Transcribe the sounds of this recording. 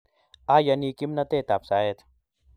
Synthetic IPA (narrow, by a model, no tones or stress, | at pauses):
aːjɐniːkimnɐt̪eːt̪aːpsaːjet̪ʰ